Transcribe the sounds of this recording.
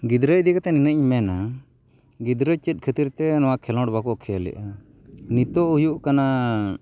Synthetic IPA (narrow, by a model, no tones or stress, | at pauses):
ɡid̪ɾəc̚d̪ikat̪ɛninəɲmɛna | ɡid̪ɾət͡ʃət̪̚kʰət̪iɾt̪ɛnɔwakʰɛlɔ̃ɖbakɔʔkʰɛlɛ̰ʔa | nit̪ɔʔujuʔkana